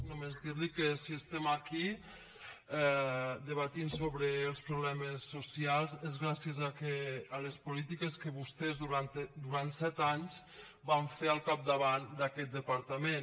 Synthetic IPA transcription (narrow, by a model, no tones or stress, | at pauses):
numezðiɾlikəsiəst̪ɛmaki | ɛd̪əβat̪insoβɾəːlˠspɾuβlɛməsːusialˠzezɣɾasjəzakeːləspulit̪ikəskəβust̪ɛzðuɾant̪d̪uɾant̪sɛt̪aɲz | baɱfeəlˠkap̚d̪aβand̪akɛt̪̚d̪əpaɾt̪əmen